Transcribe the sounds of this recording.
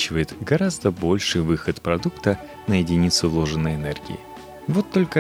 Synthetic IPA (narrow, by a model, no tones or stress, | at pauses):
t͡ɕɪvəjɪt̪ɡɐɾazd̪əbo̞lʲʂɨjvɨxət̪pɾɐd̪ukt̪ə | nəjɪdʲɪnʲit̪sʊvlˠo̞ʐɨnːəjɪnerɡʲɪ̰ɪ̰ | vo̞t̪ːo̞lʲkə